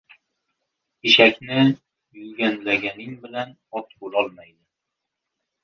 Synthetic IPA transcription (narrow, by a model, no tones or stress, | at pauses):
iʃakʲnɪ | jɵlɡʲanlaɡʲanɪŋbɪlan | ɒt̪bolˠɒlˠmajd̪ɪ